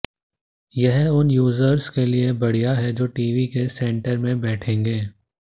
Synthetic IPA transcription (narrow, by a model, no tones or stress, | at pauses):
jɐɦʊnjuːzəɾskeliebɐɽ̤ijaɦɛd͡ʒoːʈiːʋikesɛ̃ɳʈəɾmẽbɛːʈʰẽːŋɡeː